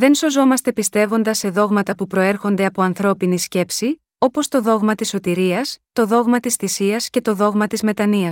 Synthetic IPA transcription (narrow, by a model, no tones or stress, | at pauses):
ðe̞nso̞zo̞mɐst̪e̞pist̪e̞vo̞nd̪ɐsːe̞ðo̞ɣmɐt̪ɐpupɾo̞e̞ɾxo̞nd̪e̞ɐpo̞ɐnθɾo̞pinisce̞psi | o̞po̞st̪o̞ðo̞ɣmɐt̪iso̞t̪iɾiɐst̪o̞ðo̞ɣmɐt̪isθisiɐsce̞t̪o̞ðo̞ɣmɐt̪izme̞t̪ɐniɐ